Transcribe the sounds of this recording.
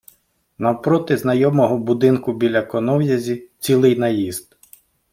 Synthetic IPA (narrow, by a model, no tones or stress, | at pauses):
nɐwpɾɔt̪ɪznɐjɔmɔɦɔbʊd̪ɪnkʊbʲilʲɐkɔnɔwjɐzʲit͡sʲilˠɪjnɐjizd̪̥